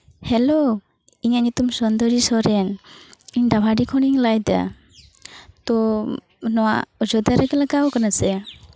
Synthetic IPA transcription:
hɛlo | iɲaʔɲut̪umsɔnd̪ɔɾisɔɾɛniɲɖabʱaɖikʰɔɽ̃iŋlajd̪a̰ | t̪ɔ | nɔwa̰ʔɔd͡ʒɔd̪aɾɛkɛlaɡaɔkanasɛ

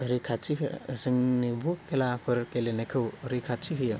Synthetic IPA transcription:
əɾikʰat͡ʃizɯŋnibʱukʰːelapʰɯɾkelenekʰɯwɾikʰat͡ʃiɦɯjə

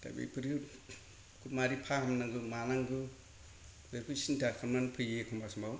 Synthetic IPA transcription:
ta̰bḭpʰɯɾɯ | kʰutmaɾipʰahamnaŋɡɯmanaŋɡɯ | beɾkʰusintʰakʰɯɾmanpʰɯjekʰumbasmbaw

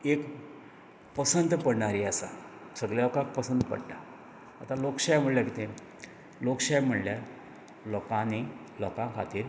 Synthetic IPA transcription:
ek | pəsənt̪pəɽɳaɾiasa̰səɡljaokak̚pəsənd̪pə̰ɽʈ̪aː | t̪alokɕajm̤əɽljakit̪e | lokɕajm̤əɽljaɾ | lɔkãni | lɔkãkʰat̪iːɾ

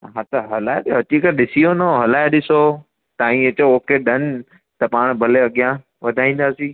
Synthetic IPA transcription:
ɦãt̪ɐɦɐlaːeɗɐtikəɗɪsijonɐɦɐlaːeɗɪso | t̪ãːĩɐt͡ɕooːkeɗɐn | t̪ɐpaːɽ̃bʱɐleɐɠijã | ʋɐd̪ʱaːĩːn̆d̪aːsiː

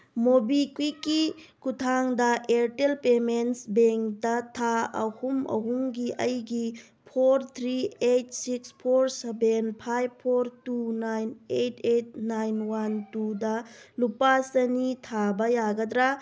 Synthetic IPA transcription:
mobikwikːikutʰaŋdɐʔeɾtelpemensbeŋktɐtʰaɐ̰humɐ̰ɦuŋɡiʔɐjɡi | pʰoɾt̪ʰɾiet̚sikspʰoɾsebenpʰajb̚pʰoɾtunajnetʰet̚najnwantudɐlupasɐnitʰabɐjaɡɐdɾa

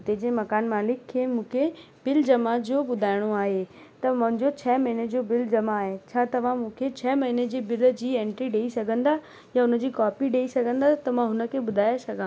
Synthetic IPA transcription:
ɦʊt̪ed͡ʑeːmɐkaːnmaːlɪkʰːemũːkʰe | b̥ɪld͡ʑɐmad͡ʑoːɓʊd̪ʱaːɪɽ̃oaːɦe | t̪ɐmɐ̃ɦɪ̃ɲd͡ʑot͡ɕʰɐmɐɦɪned͡ʑobɪld͡ʑɐmaːɦet͡ɕʰaːt̪ɐʋ̤ãmũːkʰet͡ɕʰɐːmɐɦɪned͡ʑeːbɪld͡ʑiːẽːɳʈɾiɖeːisɐɡʱə̃nd̪a | jaʊnə̆d͡ʑiːkaːpiɗeːisɐɡʱə̃nd̪at̪ɐmãɦʊnə̆kʰeɓʊd̪ʱaːjasɐɡʱãː

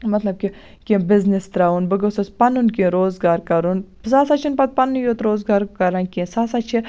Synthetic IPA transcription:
mɐt̪lɐb̚ki | kʲẽbɪznist̪ɾaːunbɨɡosɐspɐnunkĩɾoːzɡaːɾkɐɾun | saːsaːt͡ʃʰinpɐt̪̚pɐnːjoːt̪ɾoːzɡaːɾkɐɾankʲĩsaːsaːt͡ʃʰi

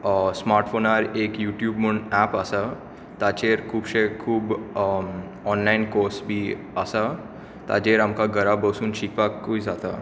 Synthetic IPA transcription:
smaːɾʈfoːnaɾeːkjuːʈjuːbməɳɖɛpəsa | t̪at͡ʃeɾkʰuːbɕekʰuːb | ɔnlaɪnkoːɾsbʱi | əsa | t̪a̰d͡ʒeɾamkaɡəɾabəsuːnɕikpakuid͡zat̪a̰

